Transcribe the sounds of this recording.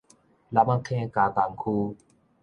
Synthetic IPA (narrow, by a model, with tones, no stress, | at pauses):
la˧ma˦kʰɛ̃˦ka˨ka˨ŋ˦kʰu˦